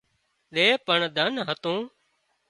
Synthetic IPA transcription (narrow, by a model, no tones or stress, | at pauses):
ɗeːpəɳd̪ʱənɦət̪ũː